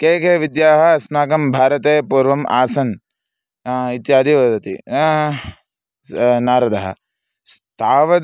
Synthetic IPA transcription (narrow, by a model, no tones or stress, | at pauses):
keːkeːʋid̪jaːɦɐsmaːkɐmbʱaːɾɐt̪eːpuːɾʋɐmʔa̰ːsɐn | it̪jaːd̪iʋɐd̪ɐt̪ḭ | naːɾɐd̪ɐɦɐ̰̆ | st̪ʰaːʋɐ